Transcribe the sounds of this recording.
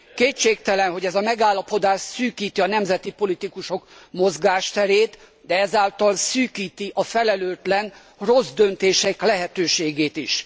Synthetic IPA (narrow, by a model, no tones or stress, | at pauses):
keːtt͡ʃeːk̚t̪ɛlɛnɦo̞ɟɛzɒmɛɡaːlːɒpo̞d̪aːʃsyːkiːt̪iɒnɛmzɛt̪ipo̞lit̪ikuʃo̞kmo̞zɡaːʃt̪ɛɾeːt̪ | d̪ɛɛzaːlt̪ɒlsyːkiːt̪iʔɒfɛlɛløːt̪lɛn | ro̞zd̪ø̞nt̪eːʃɛklɛɦɛt̪øːʃeːɡeːt̪iʃ